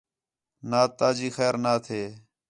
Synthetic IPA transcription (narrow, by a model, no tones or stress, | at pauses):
naːt̪aːd͡ʒiːxɛːɾnaːt̪ʰeː